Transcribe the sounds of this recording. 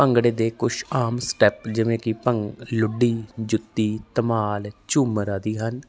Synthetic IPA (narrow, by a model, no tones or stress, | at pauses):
pəŋɡɽeːd̪eːkʊʃaːmsʈɛːpd͡ʒɪʋẽːkɪpəŋɡlʊɖiːd͡ʒʊt̪ːiːt̪əmaːlt͡ʃʊːməɾaːd̪iːɦən